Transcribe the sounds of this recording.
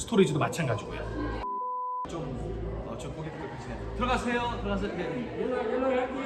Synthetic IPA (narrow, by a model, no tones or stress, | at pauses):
sʰtʰoɾid͡ʑidomat͡ɕʰanɡad͡ʑiɡo̰jo̰ | t͡ɕom | ʌt͡ɕomk͈oɡekeksʰejotɯɾʌɡasʰe̞jotɯɾʌɡas̬ʰeke